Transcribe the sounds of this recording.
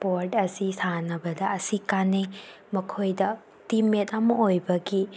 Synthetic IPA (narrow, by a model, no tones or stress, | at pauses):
poɾtɐsisanɐbɐdɐɐsikanej | mɐkʰojdɐ | timetɐmɐojbɐɡi